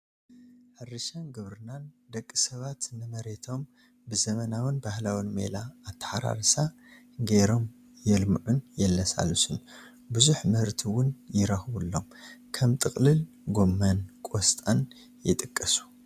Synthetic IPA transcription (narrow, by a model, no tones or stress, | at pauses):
ħɨrːɨʃɐnɡɨβɾɨnand̪ɐkʼːisɐβat̪nɨmɐɾe̞t̪ʰo̞m | bɨzɐmɐnawɨnbahlawɨnmḛlaːt̪ʰːɐ̥ħaɾa̰ɾsa | ɡeɾo̞m | jɛlmʕunjɛlːɐsa̰lusɨn | buzuħmɨhɨɾt̪ʰiwʊnjɪɾɐxβulːo̞mkʰɐmt̪ʼɨkʼlɨl | ɡo̞mːɐnkʼost̪ʼan | jɪt̪ʼɨkʼːɐsu̥